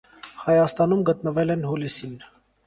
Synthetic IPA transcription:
hɑjɑst̪ɑnumɡət̪nəvɛlɛnhulisin

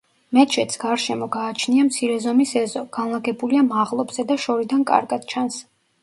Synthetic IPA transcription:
mɛt͡ʃʰɛt̪sɡ̥aɾʃɛmɔɡaːt͡ʃʰniamt̪sʰiɾɛzɔmisɛzɔɡ̥anlˠaɡɛbuliamaʁlˠɔbz̥ɛd̪aʃɔɾid̪ankʼa̰ɾɡad̪̥t͡ʃʰans

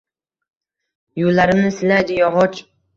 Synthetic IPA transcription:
julːaɾɪmnɪsɪlajd̪ɪjɒʁɒt͡ʃ

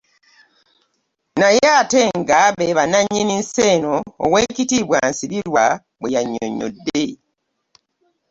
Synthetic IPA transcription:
najeateŋɡaβeβanaɲːininseːno̰ːweːcitiβwansiβilwa | βwejaɲːo̰ɲːo̰dːe

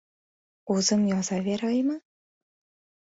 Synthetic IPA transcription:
uzɤ̆mjɑzɑβʲeɾʲɤjmɤ̆

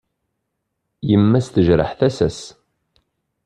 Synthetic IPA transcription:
jəmːæsθəʒɾə̰ħθæsæs

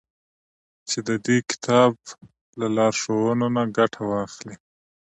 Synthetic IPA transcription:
t͡ʃed̪əd̪ekɪ̥t̪ʰɑb̚ | lalɑɾʃowənonaɡaʈʰawɑxli

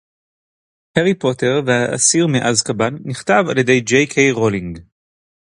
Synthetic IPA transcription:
heʁipote̞ʁvehaʔa̰siʁmiʔazkabanːiχtavalje̞de̞jd͡ʒejkʰejʁoliŋɡ

